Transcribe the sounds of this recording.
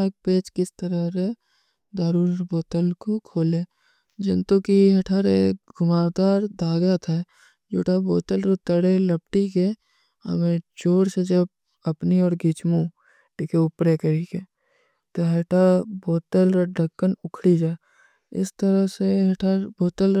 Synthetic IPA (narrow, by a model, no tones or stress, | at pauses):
ak̚peːt͡ʃkɪst̪əɾəɦɾe | d̪aːɾuːɾboːt̪əlkokʰoːleː | d͡ʒɪnt̪okiɦɐʈʰaɾeɡʱʊmaːd̪aːɾd̪aːɡat̪ʰɛː | d͡ʒoːʈaboːt̪əlɾot̪ːəɽeləp̚ʈike | ə̰mẽt͡ʃoːɽsed͡ʒəb̚ | əpniɔːɾɡʱɪt͡ʃmũ | ʈikʰeʊpɾekəɾike | t̪oɦeʈaboːt̪əlɾɖʱəkːənʊkʰɽid͡ʒaːe | ɪ̰st̪əɾəɦseɦɐʈʰaɾboːt̪əl